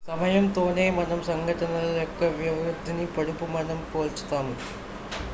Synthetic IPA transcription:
sɐmɐjɐmt̪oːnejmɐnɐmsɐŋɡɐʈːɐnɐlilokːeʋjɐʋɐɾud̪ʱːinipɐɽupːumɐnɐmkoːlt͡ɕːi̥t̪aːmɨ

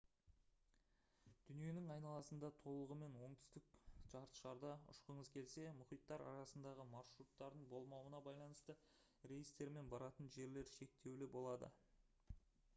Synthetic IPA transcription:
d̪̥ʏnije̞nɪŋɑjnɑlˠɑsənd̪ɑt̪ʰo̞lˠəʁəme̞nwo̞ɴt̪ʰʏ̥st̪ɪk̚ʒ̥ɑɾt̪ə̥ʃɑɾd̪ɑʊ̰ʃqəɴəzkʲʰe̞lse̞mʊχijt̪ːɑɾʔɑ̰ɾɑsənd̪ɑʁəmɑrʃɾut̪ːɑɾd̪əɴbo̞lˠmɑwənɑbɑjlˠɑnəst̪ə | ɾejist̪e̞ɾme̞nbɑɾɑt̪ənʒe̞ɾle̞ɾʃe̞k̚t̪e̞wlɪbo̞lˠɑd̪ə̰

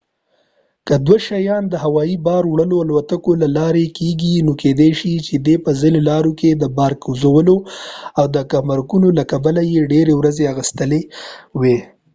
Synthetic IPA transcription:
kəd̪waʃajɑnd̪əɦawɑibɑɾwɽəloalwat̪akolalɑɾekeɡinoked̪eʃit͡ʃed̪epəzinolɑɾoked̪əbɑɾkuzawəloawd̪əkamaɾɡunolakabalajeɖeɾewɾazeaɣəst̪əlewe

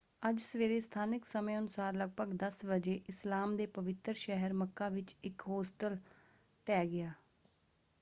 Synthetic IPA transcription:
əd͡ʒsəʋeːɾeːst̪ʰaːnɪksəmẽːʊnʊsaːɾləɡ̚pəɡd̪əsbəd͡ʒeːʔɪslaːmd̪eːpəʋɪt̪ɾʃɛɦəɾməkːaːʋɪt͡ʃɪkɦoːsʈəl | t̪ɛːɡɪaː

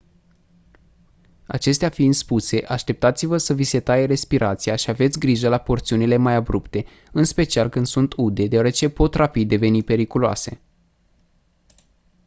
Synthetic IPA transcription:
a̰t͡ʃe̞s̬t̪eafiɨnspuse̞ʔaʃt̪e̞p̚t̪at̪sivəsəvise̞t̪ajeɾe̞spiɾʔat̪siaʃiave̞t̪sʲɡɾiʒəlapo̞rt̪siunile̞majabɾupt̪e̞ | ɨnspe̞t͡ʃialkɨnd̪̥sunt̪ud̪e̞d̪eoaɾe̞t͡ʃe̞po̞t̪rapid̪d̪ːe̞ve̞nipe̞ɾikuloa̰se̞̰

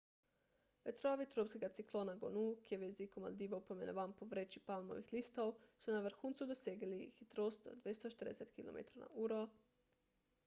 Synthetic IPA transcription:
ʋet̪ɾoaʋit̪ɾopskeɡat̪siklˠonaɡo̰nukjeʋjezikoma̰ld̪iːʋopomenʋampoʋɾet͡ʃipalˠmo̰ʋixlist̪oosunaʋr̩xuːnt̪sud̪oseɡlixit̪ɾoːsd̪o̰d̪ʋjest̪ot͡ʃe̥t̪ɾd̪eset̪kilo̰mḛt̪ɾana̰ʔuɾo

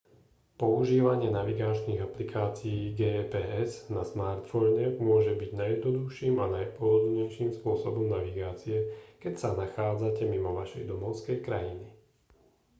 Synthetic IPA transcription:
pɔuʒiːʋaɲɪɛnaʋiɡaːt͡ʃniːɣaplikʰaːt͡siiːɡɛːpɛːɛznasmaːɾt̪fɔɲɛkmʊɔʒɛbiɟnajɛd̪nɔd̪uxʃiːmanajpʊɔd̪ɔd̪ɲɛjʃiːmspʊɔsɔbɔmnaʋiɡaːt͡siɛkɛcsanaxaːd͡zacɛmimɔʋaʃɛjd̪ɔmɔʊskɛjkɾajini

